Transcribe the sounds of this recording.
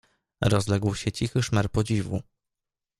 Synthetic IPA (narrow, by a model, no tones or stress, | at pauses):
ɾɔzlɛɡwɕɛt͡ɕixɘʂmɛɾpɔd͡ʑivṵ